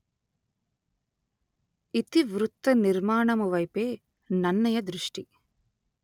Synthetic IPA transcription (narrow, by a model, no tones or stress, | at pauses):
it̪iʋɾut̪ːɐniɾmaːɳɐmuʋɐjpeː | nɐnːɐjɐd̪ɾuʂʈi